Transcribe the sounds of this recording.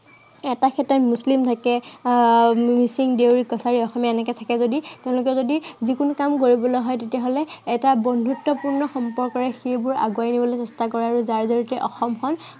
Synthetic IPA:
ɛtakʰɛtːatmuslimtʰakɛ | misiŋdewɹikɔsaɹiɔxɔmaɛnɛkɛtʰakɛzoditeʊ̃lʊk̬ɛzodizikunkamkoɹibɔlɔjɦɔjtetiaɦolɛːtabɔndʱutːɔpuɹnɔxɔmpɔɹkɔɹɛxejbʊɹa̰ɡwajnibɔlojsɛstakɔɹɛaɹuzaɹzɔɹitɛʔɔxɔmxɔn

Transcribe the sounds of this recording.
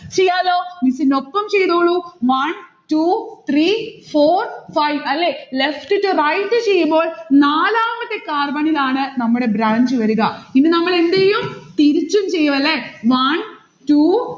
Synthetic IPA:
t͡ɕejːaːloːmisinːopːɐmt͡ɕejðuɣɐɭuʋɐnʈut̪ʰrifoːrfɐjʋɐlːelefʈɨʈːurɐjʈːɨt͡ɕejːumbo̞ːɭnaːlaːmɐt̪ːekːaːrbɐɳilaːɳɨnɐmːuɽe̞bɾaːɲd͡ʑɨʋɐɾuɣɐinːɨnɐmːɐɭend̪ejumt̪iɾit͡ɕːumt͡ɕe̞jːuʋɐlːeʋɐn | ʈu

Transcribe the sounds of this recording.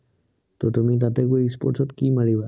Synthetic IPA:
tɔtumit̬atɛkuispɔ̰ɹtʰɔtkimaɹiba

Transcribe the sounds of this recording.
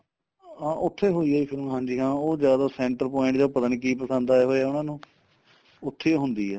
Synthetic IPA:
ãːʔʊt̪ʰːeːɦoːiːaːiːpʰɪɾõːɦãːɲd͡ʒiːɦãːoːzjaːd̪aːsɛ̃ːɳʈəɾpɔːɪ̃ɳʈd͡ʒaːpət̪aːniːkiːpəsə̃nd̪aːɛːɦoːeaːʊnãːnũː | ʊt̪ʰːeːɦʊnd̪iːɛː

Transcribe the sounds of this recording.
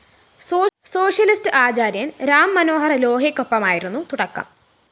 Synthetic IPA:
so̞ːʂjɐlistɨʔaːt͡ɕaːɾjɐnɾaːmːɐno̞ːɦɐrɐlo̞ːɦikʲːopːɐmaːjiɾunːut̪uɽɐkːɐ̰m

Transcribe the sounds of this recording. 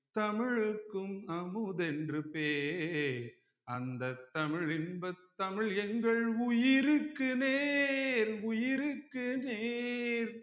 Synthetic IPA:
t̪ɐmɪɻɯkːɯmɐmɯðɛndrɯpeːɾ | ɐnd̪ɐt̪ːɐmɪɻɪnbɐt̪ːɐmɪɻɛŋɡɐɭʊjɪɾɯkːɯneːɾʊjɪɾɯkːɯneːɾ

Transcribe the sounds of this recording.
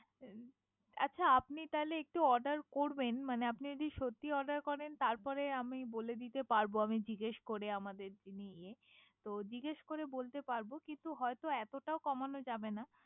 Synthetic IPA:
a̰tːʃʰaapnit̪aɦleek̚ʈuɔɾɖaɾkoɾbenmaneapnid͡ʑod̪iʃot̪ːiɔɖaɾkɔɾent̪aɾpɔɾeamiboled̪it̪epaɾboamid͡ʑiɡeʃkoɾeamad̪eɾd͡ʑiniie | t̪od͡ʑiɡeʃkoɾebolt̪epaɾbokint̪uɦɔet̪oɛt̪oʈaokɔmanod͡ʑabena

